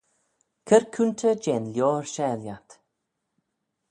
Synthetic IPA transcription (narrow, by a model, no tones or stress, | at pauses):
kʰəɾkʰunt̪ʰəd͡ʒɛnljoːɹʃɛljat̪